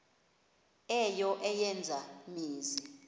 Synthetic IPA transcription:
ɛjɔʔɛjɛnd͡zʱamiːzi

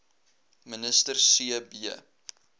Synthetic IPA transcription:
mənəstərsiəbiə̰

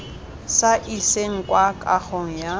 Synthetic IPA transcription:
saʔiseŋ̩kʼwakʼa̰χɔŋ̩ja

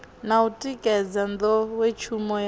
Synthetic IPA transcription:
nautʼikʼɛd͡zand̪ɔwet͡ʃʰumɔj

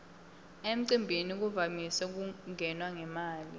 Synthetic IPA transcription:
em̩ǀimbʱinik̬uvamisɛk̬uŋɛnwaŋɛmaːli

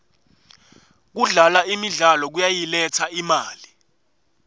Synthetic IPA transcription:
k̬uɮalaimiɮalɔk̬ujajilɛtʰaimaːli

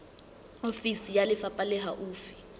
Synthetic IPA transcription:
ofisijalɪfapʼalɛɦaʔuːfi̥

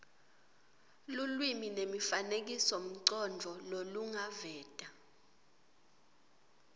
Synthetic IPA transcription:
lulwiminemifanek̬isom̩ǀɔnd͡ɮʱɔloluŋavɛːtʼa

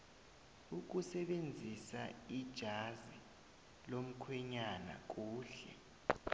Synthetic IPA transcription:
uk̬usɛɓend͡zʱisa̰id̥ʒ̥ʱazi | lom̩kʰwɛɲana̰k̬uːɬɛ̰

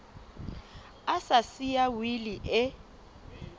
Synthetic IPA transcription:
asasijawiliʔɛ

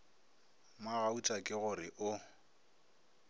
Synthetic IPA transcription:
maɣaut͡ʃʼakʼɪɣʊɾɪʔʊ

